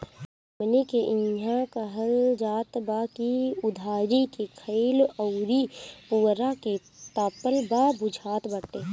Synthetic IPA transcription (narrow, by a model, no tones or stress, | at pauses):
mnikeʔɪ̃jãkəɦəld͡ʒaːt̪bakiʊd̪ʱaːɾikekʰəiləʊɾipuːɾake | t̪aːpəlbaːbʊd͡ʒʱaːt̪bəʈeː